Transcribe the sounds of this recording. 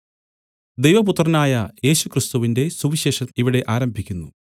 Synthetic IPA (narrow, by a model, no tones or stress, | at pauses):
d̪e̞jʋɐput̪ːrɐnaːjɐje̞ːɕukrist̪uʋinde̞suʋiɕe̞ːʂɐmiʋiɽe̞ʔaːɾɐmbʱikʲːunːṵ